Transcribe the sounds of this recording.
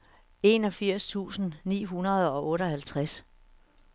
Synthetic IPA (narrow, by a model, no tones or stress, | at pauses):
e̝nɒ̽fiɐ̰st͡sʰṵːsn̩nḭːɦunɐð̞̩ˠɒ̽ʔɔ̽ːɾəɒ̽hælt͡sʰʁas